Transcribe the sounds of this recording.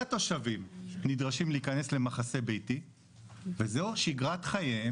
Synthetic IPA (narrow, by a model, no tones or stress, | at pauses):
ato̞ʃavimnidʁaʃimliːkane̞sle̞maχase̞bejti | vezeʃiɡʁatχaje